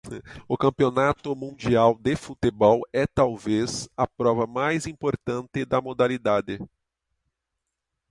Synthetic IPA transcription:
ʊkɐ̃mpionat̪ʊmũd͡ʒiawd̪efut̪ebɔwɛt̪awvezɐpɾɔvɐmajzĩmpoɾt̪ɐ̃nt̪ɪd̪ɐmod̪alid̪ad̪ɪ

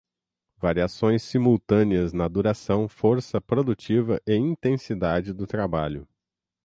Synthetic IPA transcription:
vaɾiasõj̃sːimuwt̪ɐ̃niɐznɐd̪uɾasɐ̃w̃foɾsɐpɾod̪ut͡ʃivɐʔɪĩnt̪ẽsid̪ad͡ʒɪd̪ʊt̪ɾabaʎʊ

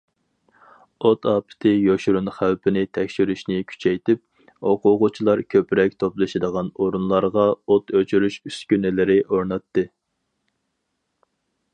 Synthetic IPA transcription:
ot̪ʰɑːpʰɪ̥t̪ʰɪjoʃɾunχæwpʰɪnɪt̪ʰɛkʲʃyɾyʃnɪkʲʰy̥t͡ʃʰɛjt̪ɪp̚ | oqʰʊʁʊt͡ʃʰilˠɑɾkʲʰøpɾɛk̚ʲt̪ʰoplˠɨʃɪd̪əʁɑnoɾunlˠɑɾʁɑot̪øt͡ʃʰyɾyʃyskʲynɪlɪɾɪʔoɾnɑt̪ːɨ

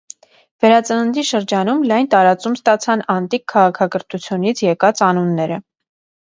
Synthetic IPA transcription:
vɛɾɑt͡sənənd̪iʃəɾd͡ʒɑnumlɑjnt̪ɑɾɑt͡sumst̪ɑt͡sʰɑnɑnt̪ikʰːɑʁɑkʰɑkəɾt̪ʰut͡sʰjunit͡sʰjɛkɑt͡sɑnunːɛɾə

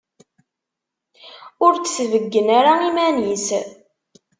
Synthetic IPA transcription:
ʊɾt͡sːsvəɡːənaɾaimænis

